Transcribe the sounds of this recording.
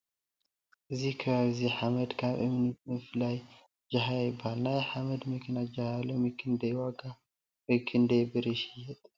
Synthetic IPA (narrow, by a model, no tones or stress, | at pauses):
ʔɨzikʰɨβaβziħaməd̪kʰaβʔɨmɨnɨmɨflaj | d͡ʒaɦajjbalnajħaməd̪mɨkʰɨnad͡ʒahajalːomɨkʰɨnd̪ɐjwaɡa | wɔjkʰɨnd̪ɐjbɨɾɨʃijːɛt̪ʼ